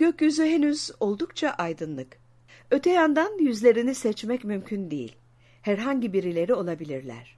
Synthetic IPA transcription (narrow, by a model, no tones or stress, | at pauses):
ɟ̥øcjyzyɦenyzo̞lˠd̪ukt͡ʃʰaʔajd̪ɯnlˠɯk | ø̞t̪ʰɛjand̪anjyzlʲe̞ɾinisɛt͡ʃmɛcmymcʰynd̪ejḭlʲ | hæɾɦaɲɟibiɾilʲe̞ɾio̞lˠabilʲiɾlʲæ̰ɾ̝̥